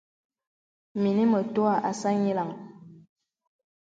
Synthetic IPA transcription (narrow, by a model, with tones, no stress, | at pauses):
mi˨ni˦mə˨to˦a˨ʔa˨sa˦ɲi˦la˨ŋ